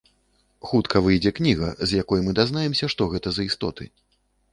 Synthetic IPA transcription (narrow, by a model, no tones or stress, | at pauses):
xut̪kʰɐvɨjd͡zʲɛknʲiɣɐ̰zʲjakɔjmɨd̪aznajɛmsʲɐʂt̪ɔɣɛt̪ɐzɐist̪ɔ̰t̪ɨ̰